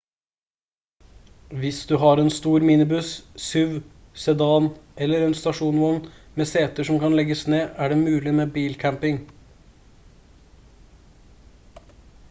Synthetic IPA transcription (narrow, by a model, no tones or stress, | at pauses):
ʋɪsd̪ʉːɦɑːɾeːnst̪uːɾmiːnɪbʉssʉʋ | sɛd̪ɑːnʔɛlːəɾɛːnst̪ɑʂuːnʋɔn | meːseːt̪əʂɔmkɑnlɛɡəsneːʔæːɖeːmʉːlɪmeːbiːlkʰæmpɪŋ